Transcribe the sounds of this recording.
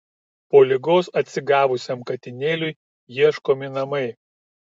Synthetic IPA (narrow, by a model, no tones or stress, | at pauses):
poːlʲɪɡoːsɐt̪ʲsʲɪɡɑːʋʊsʲɛmkɐt̪ʲɪnʲeːlʲʊɪ | jiɛʃkoːmʲɪnɐmɐɪ